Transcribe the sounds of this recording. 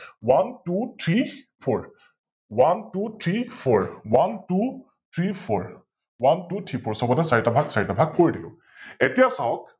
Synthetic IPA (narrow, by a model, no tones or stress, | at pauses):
wantutʰɹi | pʰɔɹ | wantutʰɹipʰɔɹwantu | tʰɹipʰɔɹ | wantutʰɹipʰɔɹsɔbɔnɛsaɹitabʱaɡsaɹitabʱaɡ̚koɹidilʊ̰̃ | etijasawɔk̚